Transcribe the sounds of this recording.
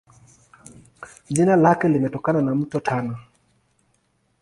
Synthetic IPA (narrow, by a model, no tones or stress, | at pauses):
ʄinalakɛlimɛtɔkananam̩tɔtʰanɔ